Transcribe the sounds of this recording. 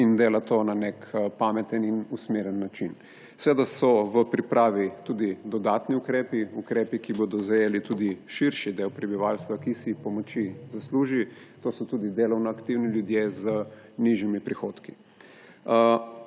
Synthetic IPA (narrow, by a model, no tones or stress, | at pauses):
ind̪eːlat̪onanekpamɛt̪əninusmeːɾənːat͡ʃin | sɛʋeːd̪asɔʋəpɾipɾaːʋit̪ud̪id̪ɔd̪aːt̪niukɾeːpiukɾeːpikibod̪ɔzajeːlit̪uːd̪iʃiɾʃid̪eːwpɾɛbiʋaːlst̪ʋakisipɔmɔt͡ʃizasluːʒi | t̪oːsɔt̪uːd̪id̪eːlɔwnɔakt̪iwniljud̪jezə | niʒjimipɾixoːt̪ki